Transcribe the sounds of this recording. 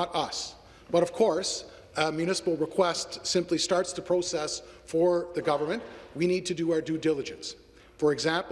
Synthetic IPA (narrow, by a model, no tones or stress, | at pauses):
əɾʌs | b̥ʌɾʌv̥kʰɔɹs | mjʉnɪsə̥pl̩ˠɹɨkʰw̥ɛstsɪ̃mplistɑɹtstɨpʰɹ̥oʊsɛsfə˞ðɨɡʌvə˞mɨ̃nʔwinid̚tʰɨdɨaʊə˞dʉdɪlˠəd͡ʒɨ̃ns | fə˞ɨɡzæ̃mp